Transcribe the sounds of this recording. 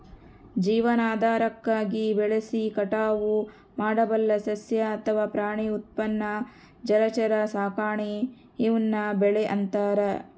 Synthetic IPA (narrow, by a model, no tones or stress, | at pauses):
d͡ʒiːʋɐnaːd̪aːɾɐkːaːɡibɛɭesikɐʈaːʋu | maːɽɐbɐlːɐsɐsjɐːt̪ʰɐʋaːpɾaːɳiut̪̚pɐnːɐ | d͡ʒɐɾɐt͡ʃɐɾɐsaːkaːɳiː | ʋunːɐbɛɭeʔɐnt̪aːɾɐ